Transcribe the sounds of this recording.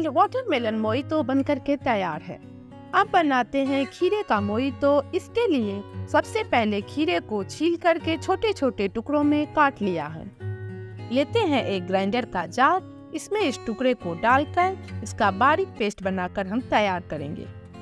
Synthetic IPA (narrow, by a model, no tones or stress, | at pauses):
lwɔːʈəɾmɪlənmoːit̪õbɐ̃nd̪̚kəɾket̪ɐjaːɾɦɛ̰ː | ɐbbɐnaːt̪eɦɛ̃kʰiːɾekamoːit̪oɪskeliesɐbsepɛɦlekʰiːɾekot͡ʃʰiːlkɐɾket͡ʃʰoːʈet͡ʃʰoːʈeʈʊkɾõmẽkaːʈlija̰ɦɛ̰̃ː | leːt̪eɦɛ̃ʔeːk̚ɡɾãːɪ̃ɳɖəɾkad͡ʒaːɾ̚ | ɪsmẽɪsʈʊkɽekoɖaːlk̪əɾɪskabaːɾik̚peːsʈbɐnaːkəɾɦɐmt̪ɐjaːɾkɐɾḛ̃ːŋɡḛː